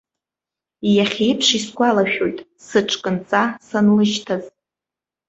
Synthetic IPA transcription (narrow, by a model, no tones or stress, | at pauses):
jaχʲejpʰʂisɡʷalaʃᶣo̞jtʼ | sɨʈ͡ʂʰʼkʼɨnt͡sʼasanlɨʒtʰaz